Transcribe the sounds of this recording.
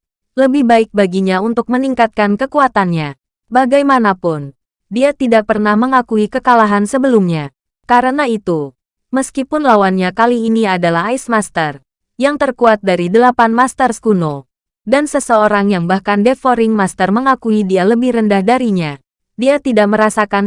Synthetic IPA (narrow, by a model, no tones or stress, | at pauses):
ləbɪhbaɪk̚baɡiɲaunt̪ʊk̚məniŋkat̪̚kankəkuat̪anɲa | baɡajmanapʊn | diat̪idak̚pərnahməŋakuikəkalaɦansəbəlumɲa | kaɾənait̪u | məskipʊnlawanɲakaliːniadalaɦajsmast̪ər | jaŋt̪ərkuat̪̚daɾidəlapanmast̪ərskuno | dansəsəoɾaŋjaŋbahkandefoɾɪŋmast̪ərməŋakuidialəbɪhrəndahdaɾiɲa | diat̪idaʔ̚məɾasakan